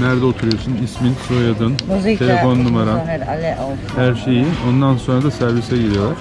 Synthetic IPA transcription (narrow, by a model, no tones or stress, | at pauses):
næɾd̪ɛot̪ʰuɾujosunisminsojad̪ɯnʰelʲe̞fo̞nːumaɾan | hæɾʃe̞jio̞nd̪anso̞nɾad̪asæɾvisɛɟiɾʲijo̞lˠaɾ̥